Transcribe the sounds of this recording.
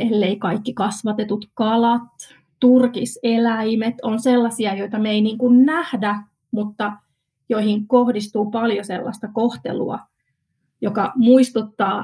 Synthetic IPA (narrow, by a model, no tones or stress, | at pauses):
elːeikɑikːikɑsʋɑt̪et̪ut̪kɑlɑt̪ː | urkiselæimet̪onselːɑsiɑjo̞it̪ɑmeiniːŋkunnæhdæ | mut̪ːɑ | joihiŋkohdist̪uːpɑljoselːɑ̰st̪ɑkoht̪ḛlṵɑ̰ | jokɑmuist̪ut̪ːɑː